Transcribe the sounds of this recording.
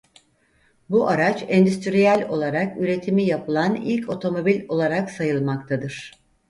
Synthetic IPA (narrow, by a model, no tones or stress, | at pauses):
buʔaɾat͡ʃɛnd̪yst̪ʰɾijælʲo̞lˠaɾakyɾe̞t̪ʰimijapʰɯlˠanḭlʲcʰo̞t̪ʰo̞mo̞bilʲo̞lˠaɾaksajɯlˠmak̚t̪ʰad̪ɯɾ̥